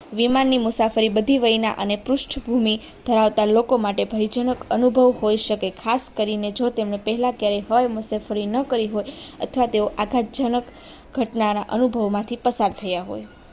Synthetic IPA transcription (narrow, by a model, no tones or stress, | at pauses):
ʋimanːimʊsafəɾibəd̪ʱiʋəjna̰ʔənepɾʊʃʈʰbʱumi | d̪ʱəɾaʋt̪alokomaʈebʱəjd͡ʒənəkənubʱəʋhojʃəkekʰaskəɾined͡ʒot̪emnepəɦɛlãkjaɾɛɦəʋajmʊsafəɾinəkəɾiɦojə̰t̪ʰʋat̪eoʔaɡʱad͡ʒənək | ɡʱəʈnanaʔənubʱəʋmãt̪ʰipəsaɾt̪ʰəjaɦo̰j